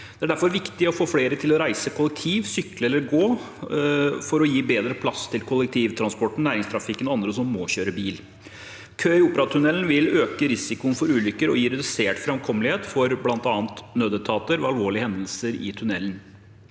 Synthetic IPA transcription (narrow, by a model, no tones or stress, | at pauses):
d̪̥ɛæɖæɾfɔɾʋɪkt̪ɪɔfoːfleːɾət̪ʰɪlɔɾæɪsəkʰʊlɛk̚t̪ʰiːʋsʏkːləɛlːəɾɡoː | fɔɾɔjiːbeːd̪ɾəpʰlɑst̪ʰɪlkʰʊlːɛkt̪ʰiːʋt̪ʰɾɑnspɔʈːɳ̩næːɾɪŋst̪ʰɾɑfɪkːənɔɑnd̪ɾəsɔmːoːɕøːɾəbiːl | kʰøːɪuːpəɾɑt̪ʰʉnɛlnʋɪløːkəɾɪsɪkʊənfɔɾʉːlʏkːəɾɔ̰jiːɾɛd̪ʉseːʈfɾɑmkʰɔmlɪheːt̪fɔɾblɑnt̪ɑːnt̪nøːd̪ət̪ʰɑːt̪əɾʋɛɑlʋoːɭɪəhɛnd̪əlsəɾɪ̰t̪ʰʉnɛlːən̩